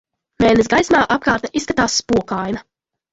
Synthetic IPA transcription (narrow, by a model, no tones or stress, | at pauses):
mɛːlnes̬ɡajsmaːʔap̚kaːɾt̪aʔisːkat̪aːsːpuɔkajnɐ